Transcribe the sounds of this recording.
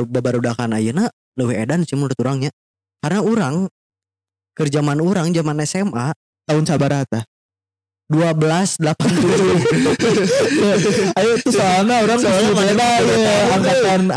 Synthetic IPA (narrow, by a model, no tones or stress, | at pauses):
babaɾudakana̰juna | ləwihḛdansimunɾət̪uɾaŋɲa | karənauɾaŋ | kərd͡ʒamanuɾaŋd͡ʒamanɛsɛma | t̪aʊnt͡ʃabaɾat̪a | duabəlasdəlapant̪uud͡ʒu | ajat̪usanauɾaŋkaaimaanajaaŋk̪at̪an